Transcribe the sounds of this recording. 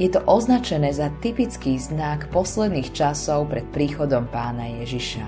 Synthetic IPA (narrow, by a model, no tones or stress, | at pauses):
jɛt̪ɔʔɔznat͡ʃɛnɛːzat̪ipit͡skiːznakpɔslɛd̪niːxt͡ʃasɔʊpɾɛt̪̚pɾiːxɔd̪ɔmpaːnajɛʒiʃa̰